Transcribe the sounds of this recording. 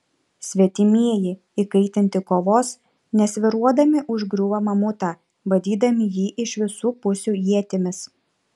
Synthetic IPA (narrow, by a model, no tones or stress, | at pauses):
sʲʋʲiɛt̪ʲɪmʲiɛjɪ | ikɐɪt̪ʲɪnʲt̪ʲɪkoːʋoːs | nʲɛsʲʋʲɪɾuɔd̪ɐmʲɪʔʊʒɡɾʲuːʋɐmɐmʊt̪ɑː | bɐd̪ʲiːd̪ɐmʲɪjiːʔɪʃʲʋʲɪsuːpʊsʲuːjiɛt̪ʲɪmʲɪs